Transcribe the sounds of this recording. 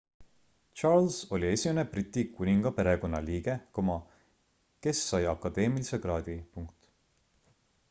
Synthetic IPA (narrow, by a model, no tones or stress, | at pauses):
t͡ʃɑɾlso̞lʲie̞sʲimeneb̥rit̪ʲːikunʲiŋɡ̥ɑpe̞ɾe̞ko̞nːɑliːɡ̥e̞komɑ | ke̞sːɑjɑkːˑɑd̪̥e̞ːmilise̞ɡ̥rɑːd̪̥ʲipuŋkt̪